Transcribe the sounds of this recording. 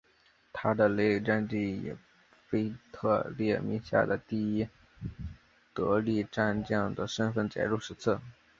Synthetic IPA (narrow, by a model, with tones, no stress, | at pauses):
t̪ʰa˥d̪ə˨le˥˩ɪʈ͡ʂa˥˧nʈ͡ʂi˥˩jɛ̰˨˩ | fe˥ɪt̪ʰɤ˥˧ljɛ˥˩mḭ˧˥ŋɕja̰˥˩d̪ə˩t̪i˥˩i˥ | t̪ɤ˧˥li˥˧ʈ͡ʂa˥˧nt͡ɕjɑ˥˩ŋd̪ə˩ʂə˥nfə˥˩nt͡ɕjɛ̰˧˩ɻu˥˩ʂɻ̩˧˥t͡s̩ʰ˥˩